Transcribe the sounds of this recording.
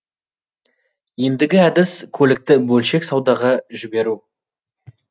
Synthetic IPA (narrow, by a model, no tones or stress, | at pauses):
je̞nd̪ɪɡʲɪæd̪ɪskʲʰɵlɪk̚t̪ɪbɵlʃe̞ksɑwd̪ɑʁɑʒɪbe̞ɾu